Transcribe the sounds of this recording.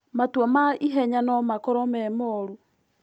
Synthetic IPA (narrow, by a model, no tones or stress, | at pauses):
matwɔmaiɦɛɲanɔmakɔɾɔmɛmɔɾu